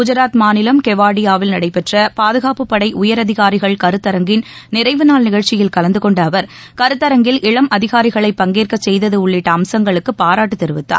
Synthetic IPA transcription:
kʊd͡ʒɐɾaːt̪maːnɪlɐmkɛʋaːɽɪjaːʋɪlnɐɽɐɪpːɛʈrɐpaːðɯɣaːpɯpːɐɽɐɪʔʊjɐɾɐðɪɣaːɾɪɣɐɭkɐɾɯt̪ːɐɾɐŋɡɪn | nɪɾɐɪʋɯnaːlnɪɣɐɻt͡ʃːɪjɪlkɐlɐnd̪ɯkɔɳɖːʋɐɾ | kɐɾɯt̪ːɐɾɐŋɡɪlʔɪɭɐmʔɐðɪɣaːɾɪɣɐɭɐɪpːɐŋɡeːrkɐsɛjðɐðɯʊɭːɪʈːɐːmsɐŋɡɐɭɯkːɯpːaːɾaːʈːɯt̪ːɪɾɯʋɯt̪ːa̰ː

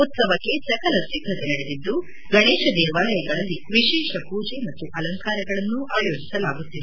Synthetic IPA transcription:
ut̪sɐʋɐkːe̞sɐkɐlɐsiɡʱɐt̪enɐɽed̪id̪ːu | ɡɐɳeːʃɐd̪ɛːʋaːlɐjɐɡɐɭɐlːiʋiʃɛːʃɐpuːd͡ʒemɐt̪ːuʔɐlɐŋkaːɾɐɡɐɭɐnːuʔɐɐjoːɡisɐlaːɡut̪ːid̪

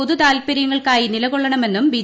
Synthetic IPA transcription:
oðut̪aːlpɐɾjɐŋːɐɭkaːjinilɐɣoɭːɐɳɐme̞nːumbi

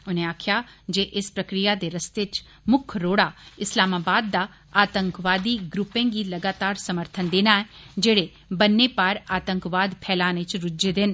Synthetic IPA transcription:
ʊnẽaːkʰjad͡ʒeːʔɪspɾəkɾɪjad̪eɾəst̪et͡ʃ | mʊkʰɾoːɽaɪslaːmaːbaːd̪ːa | aːt̪ə̃ŋkʋaːd̪iɡɾʊpẽɡiləɡaːt̪aːɾsəməɾt̪ʰənd̪eːnaːɛd͡ʒeːɽe | bənːeːpaɾaːt̪ə̃ŋkʋaːd̪pʰɛːlaːnẽt͡ʃɾʊd͡ʒd͡ʒed̪ɪn

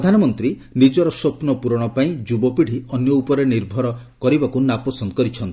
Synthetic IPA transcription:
d̪ʱanɔmɔnt̪ɾi | nid͡ʒɔɾɔsɔpnɔpuɾɔɽ̃ɔpaĩd͡ʒubɔpiɽ̤iɔnjɔupɔɾeniɾbʱɔɾɔkɔɾibakunapɔsɔnd̪ɔkɔɾit͡ʃʰɔnt̪i

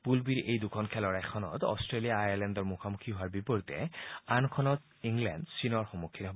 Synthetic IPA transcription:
pulbiɹejd̪ukʰɔnkʰɛlɔɹajkʰɔnɔ̰t̪ɔ̰stɹeliaːjaɹlɛndɔɹmukʰamukʰiɦoaɹbipɔɹit̪ɛ̰ankʰɔnɔt̪ | iŋlɛ̰ndsinɔɹxɔmokʰːinɦɔb

